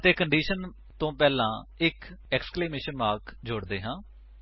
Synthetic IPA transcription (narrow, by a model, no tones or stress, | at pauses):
t̪eːkəɳɖiːʃən | t̪õːpɛːlãːɪkɛːkskleːmeːʃənʋaːɾkd͡ʒʊɽd̪eːɦãː